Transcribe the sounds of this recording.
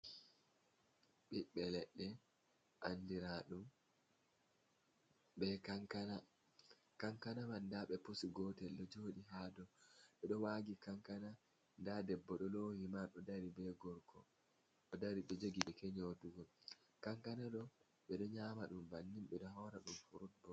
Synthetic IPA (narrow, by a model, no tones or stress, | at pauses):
ɓiɓɛlɛɗːɛ | ʔandiɾaɗum | ɓɛkaŋkana | kaŋkanamandaɓɛposiɡɔtɛlɗɔd͡ʒoːɗiɦadɔɓɛɗɔwaːɡikaŋkana | ndadɛbːɔɗɔloːhimaɗɔdaɾibɛɡɔɾkʰɔ̰ | ɗɔdaɾiɓɛd͡ʒoɡiɓɛkɛɲoduɡɔl | kaŋkanaɗɔ | ɓɛɗɔɲaːmaɗumbanːimɓɛɗɔɦɔɾaɗumfuɾutbɔ